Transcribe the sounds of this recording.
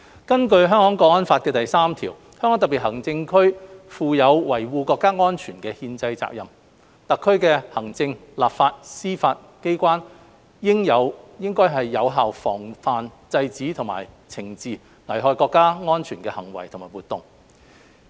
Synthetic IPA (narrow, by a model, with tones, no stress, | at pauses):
kɐ˥nkɵ˧ɥɦœː˥ŋkɔː˨˥ŋkɔː˨˥ŋɐ˥nfaː˧t̚kɛː˧t̪ɐ˨jsaː˥mt̪ʰiː˨˩w | hœ˥ŋkɔː˨˥ŋt̪ɐ˨pi˨˩hɐ˨˩ŋt͡sɪ˧ŋkʰɵ˥ɥfuː˨˧jɐ˨˧wwɐ˨˩jwuː˧kɔː˧kːaː˥ŋɔː˥nt͡ʃʰyː˨˩nkɛː˧hiː˧nt͡sɐ˧jt͡sa̰ː˧k̚jɐ˨m | t̪ɐ˨kʰːɵ˥ɥkɛː˧hɐ˨˩ŋt͡sɪ˧ŋlaː˨p̚faː˧t̚siː˥faː˧t̚ | ke˥jkʷaː˥n | jɪ˥ŋjɐ˨˧wjɪ˥ŋkɔː˥jɦɐ˨jːɐ˨˧wɦaː˨˩wfɔ̰ː˨˩ŋfaː˨nt͡sɐ˧jt͡siː˨˥t̪ʰʊ˨˩ŋma̰ː˨˩jt͡sʰɪ˨˩ŋt͡siː˨ | ŋɐ˨˩jɦɔː˧jkɔː˧kːaː˥ŋɔː˥nt͡ʃʰyː˨˩nkɛː˧hɐ˨˩ŋwɐ̰˨˩jt̪ʰʊ˨ŋmaː˨˩wuː˨˩t̪ːʊ˨ŋ